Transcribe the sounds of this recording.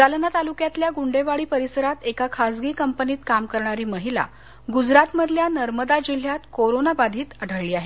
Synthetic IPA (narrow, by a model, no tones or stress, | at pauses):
d͡zalənat̪alukjat̪ljaɡuɳɖeʋaɭiːpəɾisəɾat̪ekakʰad͡zɡiːkəmpəniːt̪kamkəɾɳaɾiːməɦila̰ | ɡud͡zɾat̪məd̪ʱljanəɾməd̪ad͡ʑil̤jat̪koɾonabad̪ʱiːt̪əɽ̤əɭːiːaɦe